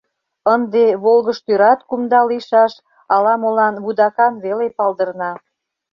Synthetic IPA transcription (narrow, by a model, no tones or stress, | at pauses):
ənd̪eβolɣəʃt̪yɾɑt̪kumd̪ɑliʃɑʃ | ɑlɑmolɑnβud̪ɑkɑnβelepɑld̪ərnɑ